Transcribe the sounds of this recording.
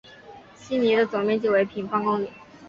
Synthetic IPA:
ɕi˥ni˧˥d̪ə˧t͡so˨˩ŋmjɛ˥nt͡ɕjo˥˩ʊwe˧˥ɪpʰi˧˥ŋfɑ˥ŋkʊ˥ŋli˨˩

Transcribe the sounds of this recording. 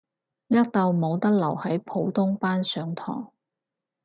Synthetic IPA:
jɐ˥k̚t̪ɐ˨˧wmo˨˧wt̪ɐ˥k̚lɐ˨˩whɐ˨˥jpʰo˨˧wt̪ʰʊ˥ŋpaː˥nsœː˨˥ŋt̪ʰɔ̰ː˨˩ŋ

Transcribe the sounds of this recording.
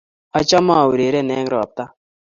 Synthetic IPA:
a˦t͡ʃa˦ma˦˨wu˨ɾe˨ɾɛ˦˨nɛː˦ŋ˦ɾɔ˨t̪a˦

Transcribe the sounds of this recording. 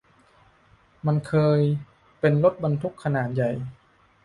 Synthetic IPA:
ma˧nkʰɤː˧j | pe˧nlo˦˥t̪̚ba˧nt̪ʰu˦˥kʰːa˧naː˨˩˦n̚ja˨˩j

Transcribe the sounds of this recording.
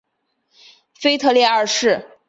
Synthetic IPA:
fe˥ɪt̪ʰɤ˥˧ljɛ˥˧ə˞˥˧ʂɻ̩˥˩

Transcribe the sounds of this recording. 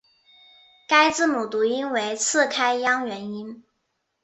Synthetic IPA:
ka˥ɪt͡sɹ̩˥˩mu˨˩t̪u˧˥i˥nwe˧˥ɪt͡sʰɹ̩˥˩kʰa˥ɪjɑ˥ŋɥɛ˧˥ni˥n

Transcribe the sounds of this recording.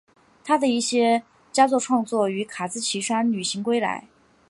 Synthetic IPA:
t̪ʰa˥d̪ə˨i˥˩ɕjɛ˥ | t͡ɕja˥t͡swɔ˥˧ʈ͡ʂʰwɑ˥˧ŋt͡swɔ˥˩y˧˥kʰa˨˩t͡sɹ̩˥t͡ɕʰi˧˥ʂa˥nny˨˩ɕi˧˥ŋkwe˥ɪla̰˧˥ɪ

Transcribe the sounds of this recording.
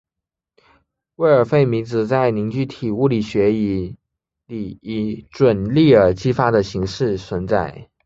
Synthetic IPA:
we˥˩ɪə˞˨˩fe˥˩ɪmi˧˥nt͡sɹ̩˨˩t͡sa˥˩ɪni˧˥ŋt͡ɕy˥˩t̪ʰi˨˩u˥˩li˨˩ɕɥɛ˧˥i˧˩ | li˨˩i˧˥˩ʈ͡ʂwə˨˩nli˥˩ə˧˩t͡ɕi˥fa˥d̪ə˨ɕi˧˥ŋʂɻ̩˥˩t͡sʰwə˧˥nt͡sa˥˩ɪ

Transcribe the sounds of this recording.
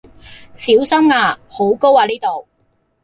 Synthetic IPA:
siː˨˥wsɐ˥mŋaː˧ho˨˥wko˥waː˧liː˥t̪o˨w

